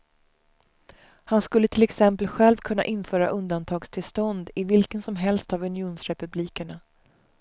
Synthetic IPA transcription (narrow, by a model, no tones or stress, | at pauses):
hanskɵlːət̪ʰɪlɛksɛmpəlɧɛlvkʰɵnːa̰ʔɪnːfœːɾa̰ʔɵnd̪ant̪ʰɑːɡst̪ʰɪlst̪ɔnd̪ɪvɪlkənsɔmɦɛlst̪avɵnɪuːnsɾɛpɵbliːkəɳa